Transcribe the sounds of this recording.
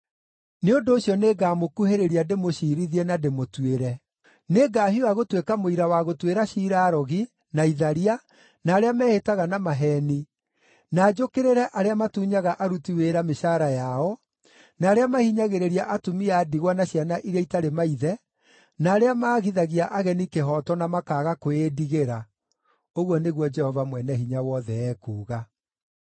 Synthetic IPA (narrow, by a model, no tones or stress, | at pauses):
neondoːɕjɔneːɡaːmokuheɾeɾiademoʃiːɾiðiɛnademotweɾɛ | neːɡaːɦiwaɣotwekamoiɾawaɣotweɾaɕiːɾaːɾɔɣi | naiðaɾia | naːɾeamɛːhetaɣanamaɦɛːni | naːd͡ʒokeɾeɾɛʔaɾeamatuːɲaɣaʔaɾutiweːɾameʃaɾajaɔ | naːɾeamahiɲaɣeɾeɾjaʔatumiaːdiɣwanaɕjanaʔiɾjaitaɾemaiðɛ | naːɾeamaːɣiðaɣiaʔaɣɛnikeɦɔtɔnamakaːɣakoediɣeɾa | oɣwɔneɣwɔd͡ʒɛhɔvamwɛnɛɦiɲawɔðɛɛːkuːɣa